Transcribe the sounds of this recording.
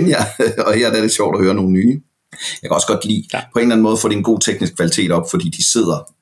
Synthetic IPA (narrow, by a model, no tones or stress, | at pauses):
njæɒ̽heɐ̰d̥æɐ̥e̝ɕɒ̰ʊ̰d̥ɒhøːɐno̝ːn̩nyː | jɑɪkʰæɒ̽sə̥ɡ̥ɒ̽d̥lḭːpʰɒ̽e̝nlæn̩mɔ̽ːð̞̩ˠfɒ̰ːdienɡo̝̰ːt͡sʰeɡ̥nisɡ̥̚kʰʋælit͡sʰe̝̰ːɾ̥ɒ̽b̥fɒ̽d̥ḭːd̥ise̝ð̞̰ˠɐ